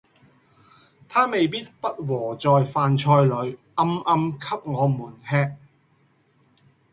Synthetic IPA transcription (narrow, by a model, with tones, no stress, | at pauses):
t̪ʰaː˥me˨jpiː˥t̚pɐ˥t̚wɔː˨˩t͡sɔː˨jfaː˨nt͡ʃʰɔː˧jlɵ˨˧ɥʔɐ˧˥mʔɐ˧mkʰɐ˥p̚ŋɔː˨˧muː˨˩nhɛː˧k̚